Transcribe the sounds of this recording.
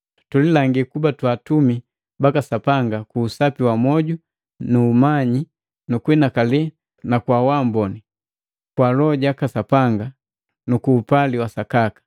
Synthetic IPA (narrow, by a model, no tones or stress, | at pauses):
tulilaŋɡikubatwatumi | bakasapaŋɡakuːsapiwamɔɟu | nuːmaɲi | nukwɛnakalɛ | nakwawambɔni | kwalɔɟakasapaŋɡa | nukuːpaliwasakakḁ